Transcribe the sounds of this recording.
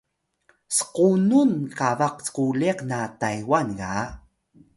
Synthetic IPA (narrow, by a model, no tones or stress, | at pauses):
sə̥qununkavaqt͡sə̥quleqnatajwanɣa